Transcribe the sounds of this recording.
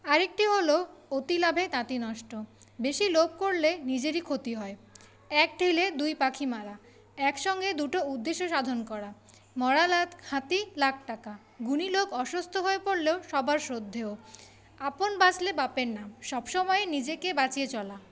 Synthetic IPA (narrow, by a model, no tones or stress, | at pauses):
aɾek̚ʈiɦoloot̪ilabʱet̪ãt̪inɔʃʈo | beʃilob̚koɾlenid͡ʑeɾikʰot̪iɦɔe | ɛk̚ɖʱiled̪ujpakʰimaɾa | ɛkʃɔŋɡed̪uʈoud̪ːeʃːoʃad̪ʱonkɔɾa | mɔɽalahat̪ilak̚ʰʈaka | ɡuniloɡɔʃost̪ʰoɦoepoɾleoʃɔbʱaɾʃɾod̪ʱːeo | aponbat͡ɕlebapenːamʃɔbʃɔmɔenid͡ʑekebat͡ɕiet͡ɕɔla